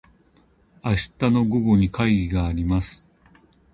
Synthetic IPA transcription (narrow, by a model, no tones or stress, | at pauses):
aɕi̥t̪ano̞ɡo̞ɡo̞ɲ̟ikaiɡʲiɡaːɾʲimasɨ̥